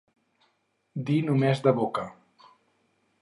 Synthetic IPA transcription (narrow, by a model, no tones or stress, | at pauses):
d̪inumezd̪əβokə